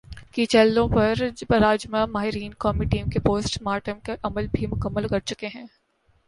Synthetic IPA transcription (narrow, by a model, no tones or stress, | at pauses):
kit͡ʃɛlːõpɐɾɾaːd͡ʒmamaːɦɪɾiːnkɔːmiʈiːmkepoːsʈmaːʈəmkeʔɐməlbʱimʊkəmːəlkɐɾt͡ʃʊkeɦɛ̃ː